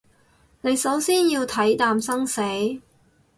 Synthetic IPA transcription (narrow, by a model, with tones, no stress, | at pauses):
ne˨˧jsɐ˨˥wsiː˥njiː˧wt̪ʰɐ˨˥jt̪aː˨˧msɐ˥ŋse˨˥j